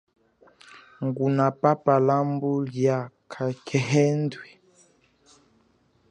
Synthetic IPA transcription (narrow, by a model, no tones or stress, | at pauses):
ŋɡunapapalambuljakʰakʰɛɦɛndwɛ